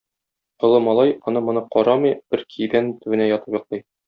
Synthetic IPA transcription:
ŏlˠɤmɒlˠɑjɒnɤmŏnɤqɒɾɑmɤjb̥ɘɾkʰid̪ænt̪ʉ̆ɘ̆næjɒt̪ɤpjŏq̚lˠɤj

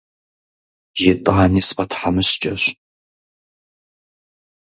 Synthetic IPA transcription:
jetʼaːniːspʼɐtʰħamɨɕt͡ʃʼɐɕ

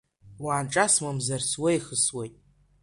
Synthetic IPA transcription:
waːnʈ͡ʂʼasmamzarswejχəswejtʼ

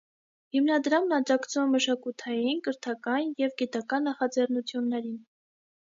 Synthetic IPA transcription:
himnɑd̪ɾɑmnɑd͡ʒɑkt͡sʰumɛməʃɑkut̪ʰɑjinkəɾt̪ʰɑkɑnjɛvɡit̪ɑkɑnːɑχɑd͡zɛrnut͡sʰjunːɛɾin

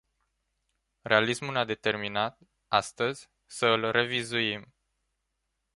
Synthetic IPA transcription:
re̞alismulnad̪e̞t̪e̞rminat̪ | ast̪əzʲ | səɨlre̞vizuim

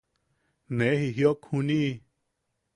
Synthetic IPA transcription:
nẽɦiɦjokʰũnĩ

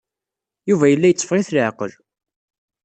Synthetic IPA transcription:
juvæjəlːæjət͡sːfʁiθləʕqəl

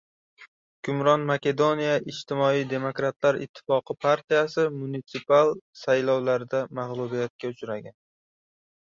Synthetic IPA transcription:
kʲʰʊmɾɒnmakʲe̞d̪o̞nijaʔɪd͡ʒt̪ʰɪmɒijd̪e̞mokɾat̪ʰlaɾɪ̰t̪ʰːɪ̥fɒqʰɨpʰaɾt̪ʰijasɪmunit̪sɪpalˠsajlɒwlaɾd̪amaʁlˠubijat̪̚kʲaʊt͡ʃɾaɡʲan

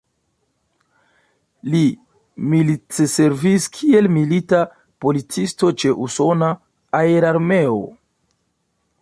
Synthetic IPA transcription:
li | militese̞ɾviskʰie̞lmilita | po̞lit͡sisto̞t͡ʃe̞ʔuso̞naː | eɾaɾme̞o̞̰

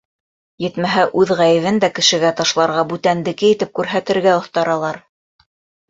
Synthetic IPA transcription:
jɘ̆t̪mæɦæʔʉðʁæjɘ̆vɘnd̪ækɘ̆ʃɘ̆ɡæt̪ɑʃlˠɑɾʁɑbʉt̪ænd̪ɘ̆kɘjit̪ɘp̚kʉɾɦæt̪ɘ̆ɾɡæŏθt̪ɑɾɑlˠɑɾ

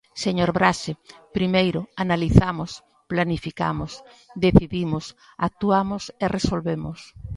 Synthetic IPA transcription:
seɲoɾβɾaʃepɾimejɾʊanaliθamʊs | planifika̰mʊs | d̪eθiβimʊs | ak̚t̪uamʊseresolβemʊs

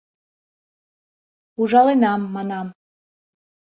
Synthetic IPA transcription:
uʒɑlˠenɑmːɑnɑm

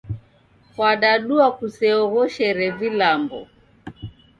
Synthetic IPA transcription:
fwaɗaɗuakusɛɔɣɔʃɛɾɛvilambɔ̰

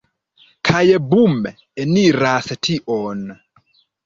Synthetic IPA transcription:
kʰajɛbumɛ | ɛniɾasɛtʰiʔɔn

